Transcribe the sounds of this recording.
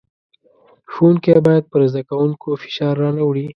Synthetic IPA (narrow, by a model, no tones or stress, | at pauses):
xunkbɑjad̪̚pəɾzd̪akawuŋkofɪ̥ʃɑɾːɑnawɽi